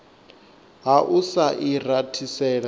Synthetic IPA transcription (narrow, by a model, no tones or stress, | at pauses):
ɦaʔusaʔiratʰisɛːɺa